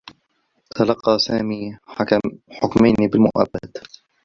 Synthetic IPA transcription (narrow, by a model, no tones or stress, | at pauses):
t̪ʰalɑqːɑːsaːmiː | ħʊkmajnibɪlmʊ̰ʔa̰bːa̰d̪